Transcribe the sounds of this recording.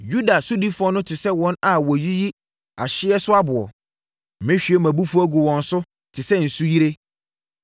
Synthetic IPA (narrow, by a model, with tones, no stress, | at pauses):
ju˦da˨sʊ˦di˦fʊ˨ɔ˦nʊ̃˦tʰɪ˨sɛ˦wɔ̃˦na˨wɔ˨ji˦ji˦ | a˨ɕɪ˦ɛ˦sʊ˦a˦bʊ˨ɔ̰˨ | mɪ̃˦ɕᶣi˨˦ɛ˦mæ̃˨bu˦fʊ˦ɔ˦ɡʊ˨wɔ̃˨n̩˦sʊ˦ | tʰɪ˨sɛ˦n̩˨su˦ji˦ɾe˦